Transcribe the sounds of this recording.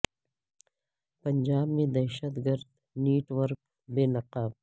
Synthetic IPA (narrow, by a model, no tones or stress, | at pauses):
pɐnd͡ʒaːbmẽd̪ɐʃət̪ɡɐɾd̪ | neːʈwɐɾk̚ | beːnɐqaːb